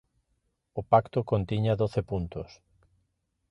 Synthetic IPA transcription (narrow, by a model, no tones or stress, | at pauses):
ʊpakt̪ʊkont̪iɲaðoθepunt̪ʊs